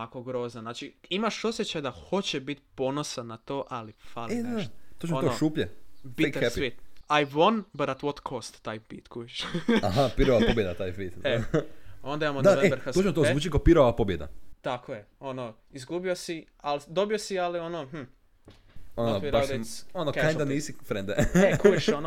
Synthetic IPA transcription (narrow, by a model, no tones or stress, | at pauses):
akoɡɾoːznaznaːt͡ʃiimaʃosjet͡ɕajd̪axo̞t͡ɕebit̪ponosanat̪o̞ːʔalifaled̪eaʃt̪t̪ot͡ʃemonooʃuːpʎebik̪ɾʋit̪ajʋonbaɾat̪ʋot̪kʰost̪ːajpḭt̪kujiʃaɦapiɾoʋapobjed̪at̪aːjfit̪e | o̞nd̪aimamond̪aoaʋeebeɾkat͡ʃemot̪ozuːt͡ʃikopiɾoʋapobjed̪a̰t̪akojeono | izɡubiosi | ald̪obiosialionom̩ | onofɾaad̪onokajnd̪aniːsifɾẽnd̪eekjeʃono